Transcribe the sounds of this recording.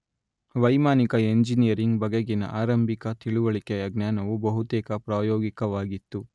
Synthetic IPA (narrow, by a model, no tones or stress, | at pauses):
ʋɐjmaːnikɐe̞ɲd͡ʒinijɐɾiŋɡbɐɡeɡinɐ̰ʔaːɾɐmbʱikɐt̪iɭuʋɐɭikɛjɐɡnaːnɐʋubɐɦut̪ɛːkɐpɾaːjoːɡikɐʋaːɡit̪ːu